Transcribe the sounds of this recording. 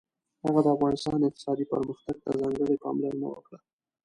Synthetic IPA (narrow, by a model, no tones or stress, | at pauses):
haɣad̪əafɣɑnɪst̪ɑnɪq̚t̪ɪ̥sɑd̪ipə̰ɾməxt̪aɡ̚t̪azɑŋɡəɽepɑmlaɾna̰wə̰kɽa